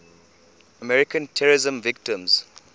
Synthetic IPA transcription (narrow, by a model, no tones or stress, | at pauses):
əmɛɹɪkə̃ntʰɛɹɪzə̃mvɪk̚tɪ̃mz̥